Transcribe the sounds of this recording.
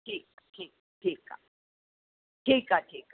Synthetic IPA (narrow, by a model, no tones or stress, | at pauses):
ʈʰiːk̚aʈʰiːk̚aʈʰiːka̰ | ʈʰiːkaʈʰiːka